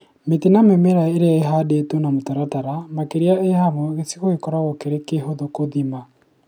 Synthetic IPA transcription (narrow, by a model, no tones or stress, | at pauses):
metenamemeɾaeɾeaeɦadetonamotaɾataɾamakeɾeaehamwɔɣesiɣoɣekɔɾaɣɔkeɾekeɦoðokoðima